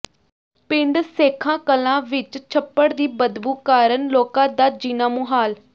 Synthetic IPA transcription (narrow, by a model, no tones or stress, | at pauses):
pɪɳɖseːkʰãːkəlãːʋɪt͡ʃt͡ʃʰəpːəɽd̪iːbəd̪buːkaːɾənloːkãːd̪aːd͡ʒiːnãːmuɦaːl